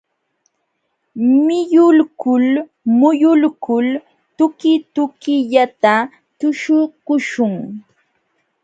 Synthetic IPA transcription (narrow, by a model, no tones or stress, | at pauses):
mɪjʊlkʊl | mʊjʊlkʊl | t̪ʊkɪt̪ʊkɪʎat̪a | t̪ʊʃʊkʊʃʊŋ